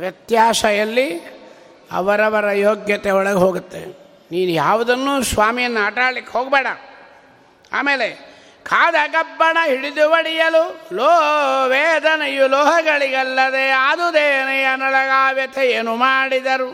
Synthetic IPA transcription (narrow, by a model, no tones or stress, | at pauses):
ʋjɐt̪jaːsɐjɐlːi | ɐ̰ʋɐɾɐʋɐɾɐjoːɡjɐt̪eɔɭɐɡeɦoːɡut̪ːe | niːnujaːʋud̪ɐnːusʋaːmijɐnːaːʈaːɽlikːeɦoːɡbɛːɽɐ | a̰ːmeːle | kʰaːd̪ɐɡɐbːɐɳɐɦiɽid̪uʋɐɽijɐlulɔːɦʋɛːd̪ɐnɐjulɔːɦɐɡɐɭiɡɐlːɐd̪ead̪ud̪eːnɐjɐnɐlɐɡaːʋjɐt̪ʰeeːnumaːɽid̪ɐɾu